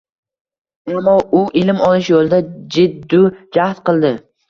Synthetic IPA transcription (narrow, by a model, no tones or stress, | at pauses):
amːɒʔʊʔɪlɪmɒlˠɪʃjolˠd̪ad͡ʒɪd̪ːʊd͡ʒaht̪qɨlˠd̪ɪ